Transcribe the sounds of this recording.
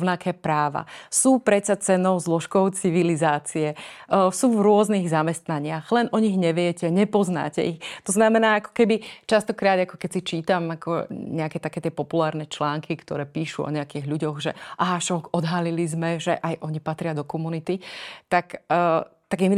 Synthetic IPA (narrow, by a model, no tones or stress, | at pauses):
nakʰɛːpɾaːʋa̰suːpɾɛt̪sat͡sɛnɔʊzlɔʃkɔʊt͡siʋilizaːt͡siɛsuːvɾʊɔzniɣzamɛst̪naɲɪaɣlɛnʔɔɲiɣɲɛʋɪɛcɛɲɛpɔzna̰ːcɛ̰ixt̪ɔznamɛnaːakɔ̥kɛbit͡ʃast̪ɔkɾaːd̪akɔ̥kɛcsit͡ʃiːt̪amakɔ̰ɲɛakɛt̪akɛːt̪ɪɛpɔpulaːɾnɛt͡ʃlaːŋkʰikt̪ɔ̰ɾɛːpiːʃuɔ̰ɲɛakiːɣʎuɟɔɣʒɛ̰ʔaɦaʃɔkɔd̪ɦalilizmɛʒɛ̰ʔajʔɔɲipat̪ɾɪad̪ɔkɔmunit̪it̪akː | t̪aɡɛmi